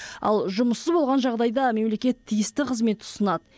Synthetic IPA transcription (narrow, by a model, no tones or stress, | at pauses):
ɑ̰lˠʒʊməsəzbo̞lˠʁɑnʒɑʁd̪ɑjd̪ɑme̞mle̞kʲe̞t̪ʰːijɪst̪ɪqʰəzme̞t̪ʊ̥sənɑd̪ə